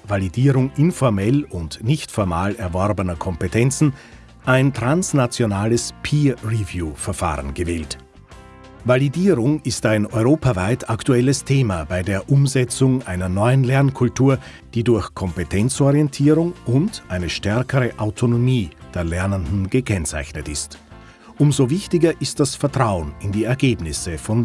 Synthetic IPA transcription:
validiːʁʊŋʔɪnfɔɐmɛlʊntnɪçtfɔɐma̰ːlɛɐvɔɐbənɐkʰɔmpetʰɛnt͡sn̩ | ʔaɪntʁ̥ansnat͡sjonaːləspʰiːʁivjuːfɛɐfa̰ːʁə̰nɡəvɛːlt | validiːʁʊŋɪstaɪnɔʏʁoːpavaɪtʰaktuɛləstʰeːmabaɪdeːɐʔʊmzɛt͡sʊŋʔaɪnɐnɔʏənlɛɐnkʰʊltʰuːɐ | d̥iːdʊɐçkʰɔmpetʰɛnt͡sɔʁiɛntʰiːʁʊŋʊntʔaɪnəʃtɛɐkʰəʁəʔaʊtʰonomiːd̥eːɐlɛɐnəndn̩ɡ̥əkʰɛnt͡sa̰ɪçnətɪst | ʔʊmzovɪçtɪɡɐʔɪstd̥asfɛɐtʁ̥aʊənɪndiːɛɐɡeːbnɪsəfɔn

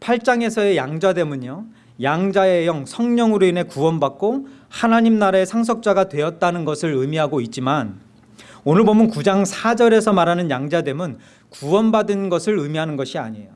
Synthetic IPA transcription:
pʰaɭt͡ɕ͈aŋe̞sʰʌe̞jaŋd͡ʑade̞muɲo | jaŋd͡ʑae̞jʌŋsʰʌŋɲʌŋɯɾoinɦe̞kuwʌnbak̚k͈ohanaɲimnaɾaesʰaŋs̬ʰʌk̚t͡ɕ͈aɡatwe̞ʌt̚t͈anɯnɡʌsʰɯɾɯmiɦaɡoit̚t͡ɕ͈iman | onɯɭbomjʌnkud͡ʑaŋsʰad͡ʑʌɾe̞sʰʌmaɾɦanɯnjaŋd͡ʑade̞mun | kuwʌnbadɯnɡʌsʰɯɾɯmiɦanɯnɡʌɕʰia̰ɲḛjo

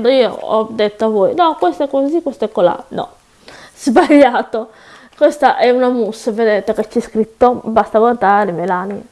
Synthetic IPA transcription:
nd̪oiːo̰ɔ̰d̪ɛt̪ːoavɔːjnɔkwɛst̪oɛkːozikwɛst̪ɛkːola̰nɔ̰ | z̥baʎːaːt̪o | kwɛst̪aʔɛunamusːaved̪ɛt̪aket͡ʃːɛskɾit̪ːobast̪aɡant̪aɾɾimelani

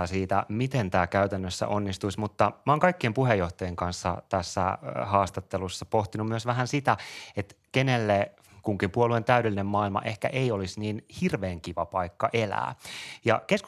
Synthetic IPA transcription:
siːt̪æ̰mit̪ent̪æːkæyt̪ænːøsːæ̰ʔonːist̪uismut̪ːɑmɑoːŋkɑikːiempuhejːoht̪ɑjeŋkɑnsːɑ̰t̪æsːæ̰hɑːst̪ɑt̪ːelusːɑpoht̪inummyøsʋæɦænsit̪æet̪kenelːe | kuŋkimpuoluent̪æydelːinemmɑːilmɑ̰ʔehkæ̰ʔeiolisniːnhirʋeːŋkiʋɑpɑikːɑʔelæ̰ːjɑ̰kesk

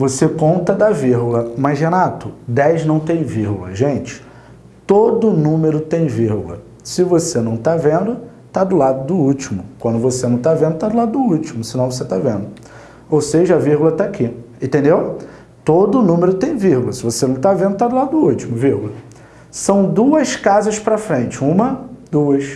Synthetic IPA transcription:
vosekõnt̪ɐd̪ɐviɾɡʊlɐmɐzɦenat̪ʊd̪ɛjznɐ̃w̃t̪ẽj̃viɾɡulɐ̰ʒẽt͡ʃɪ̥ | t̪od̪ʊnũmeɾʊt̪ẽj̃viɾɡʊlɐ̰ | sɪvosenɐ̃w̃t̪avẽnd̪ʊ | t̪ad̪ʊlad̪ʊd̪ʊut͡ʃimʊkwɐ̃nd̪ʊvosenɐ̃w̃t̪avẽnd̪ʊt̪ad̪ʊlad̪ʊd̪ʊut͡ʃimʊsɪnɐ̃w̃voset̪avẽnd̪ʊ | owseʒɐɐviɾɡulɐt̪akʰiẽt̪ẽnd̪ew | t̪od̪ʊːnũmeɾʊt̪ẽj̃viɾɡulɐsɪvosenɐ̃w̃t̪avẽnd̪ʊt̪ad̪ʊlad̪ʊd̪ʊut͡ʃimʊviɾɡʊlɐ | sɐ̃w̃d̪uɐskazɐʃpɾɐfɾẽnt͡ʃɪũmɐd̪uɐs

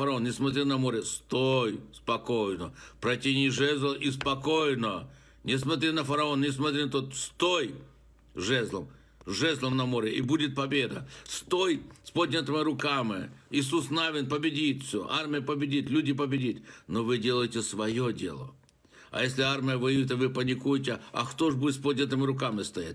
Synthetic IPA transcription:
fəɾɐonnʲɪsmɐt̪ɾʲɪnɐmo̞ɾʲɪst̪ojspɐko̞jnəpɾɐtʲinʲɪʐɛzʲlˠəʔispɐko̞jnə | nʲɪsmɐt̪ɾʲinɐfəɾɐo̞nnʲɪs̬mɐt̪ɾʲinɐt̪ot̪st̪oj | ʐɛzlˠəm | ʐɛzʲlˠəmnɐmo̞ɾʲɪʔɪbudʲɪt̪̚pɐbʲe̞d̪əst̪ojspodʲnʲɪt̪ɨmʲɨɾʊkamɨ̰ɪs̬usnavʲɪnpəbʲɪdʲit̪fsʲo̰ʔarmʲɪjəpəbʲɪdʲit̪lʲudʲɪpəbʲɪdʲit̪ʲnovɨdʲelˠəjtʲɪsvɐjodʲe̞̰lˠə̰ | ɐ̰jesʲlʲɪarmʲɪjəvɨjvʲɪt̪̬ɪvɨpənʲɪkujt̬ʲɪɐ̰xt̪oʐbudʲɪt̪spod̪ʲnʲət̪ɨmɨɾʊkamɨst̪ɐja̰t̚ʲ

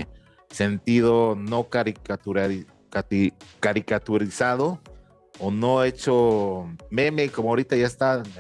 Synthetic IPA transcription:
se̞nt̪iðonokaɾikauɾa | akaɾikat̪uɾisaðoː | noet͡ʃo | memekomoaoɾit̪aʝaest̪a

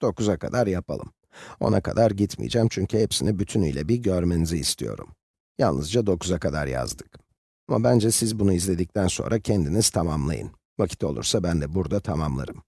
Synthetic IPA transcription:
d̪̥o̞kuzakʰa̰d̪aɾjapa̰lˠɯm | o̞̰nʔakʰa̰d̪aɾɟit̪mḭjd͡ʒɛmt͡ʃʰyɲcʰyhɛpsinibyt̪ʰynyjlʲɛbiɟøɾmeniziːst̪ʰijo̞̰ɾṵm | ja̰lˠɯzd͡ʒad̪o̞kuzakad̪a̰ɾja̰zd̪ɯ̥k | amabænd͡ʒɛsizbunuizlʲe̞d̪ic̚t̪ʰænso̞̰nɾʔacʰɛnd̪iniz̥t̪ʰamamlˠa̰jɯ̰n | vacʰi̥t̪ʰo̞lˠṵɾsabænd̪ɛbuɾd̪at̪ʰamamlˠa̰ɾɯm

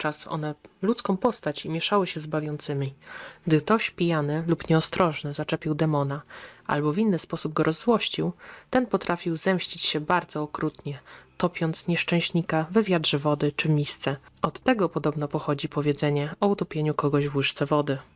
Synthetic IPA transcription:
t͡ʂasɔ̰nɛlut̪skɔ̃w̃pɔst̪at͡ɕimʲjɛʂawɘɕɛzbavʲjɔnt̪sɘmʲiɡd̪ɘt̪ɔɕpʲijanɘlupɲɛɔst̪ɾɔʐnɘzat͡ʂɛpʲiwd̪ɛmɔnaʔa̰lbɔvʲinːɘspɔsub̚ɡɔɾʔɔzːwɔɕt͡ɕiwt̪ɛnpɔt̪ɾʔafʲiwzɛmɕt͡ɕit͡ɕɕɛbaɾd̪zɔːkɾut̪ɲɛt̪ɔpʲjɔnt̪sɲɛʂt͡ʂɛ̃w̃ɕɲikavɛvʲjad̪ʐɛvɔd̪ɘt͡ʂɘmʲist̪sɛɔt̪ːɛɡɔpɔd̪ɔbnɔpɔxɔd͡ʑipɔvʲjɛd̪zɛɲɛɔut̪ɔpʲjeɲukɔɡɔʑvwɘʂt̪sɛvɔd̪ɘ

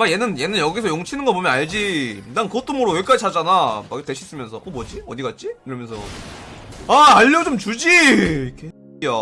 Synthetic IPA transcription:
makje̞nɯnje̞nɯnjʌɡisʰʌjoŋt͡ɕʰinɯnɡʌpomjʌnaɭd͡ʑinaŋkɯɡʌt͈omɯɾowe̞k͈ad͡ʑit͡ɕʰad͡ʑanamakteɕʰis͈ɯmjʌnsʰʌʔʌbʌd͡ʑiʌd̪iɡat̚t͡ɕ͈ikɯɾʌmjʌnsʰʌ̰ | aaʎːʌd͡ʑomt͡ɕud͡ʑikʰe | o

